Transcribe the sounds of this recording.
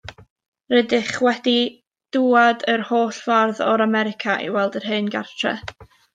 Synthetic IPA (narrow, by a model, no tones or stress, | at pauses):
rɛdɪχwɛdi | d̥uadərhoːɬv̥arðɔɾamɛɾɪkʰaʔḭwɛlˠdərɦɨːnɡa̰rtʰrɛ̰